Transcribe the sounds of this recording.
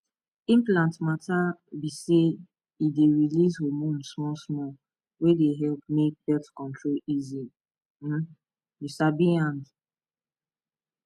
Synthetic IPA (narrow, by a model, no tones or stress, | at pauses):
ĩmplãntmatabise | ideɹilishomõnsmɔsmɔl | wedeɦɛlp̚mek̚bɛtkɔ̃ntʰɹolizi | m̩ | jusabiãnd